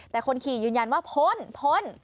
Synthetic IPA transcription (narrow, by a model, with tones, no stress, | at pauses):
t̪ɛː˨˩kʰo˧nkʰiː˨˩jɯː˧nja˧nwaː˥˩pʰo˦˥npʰo˦˥n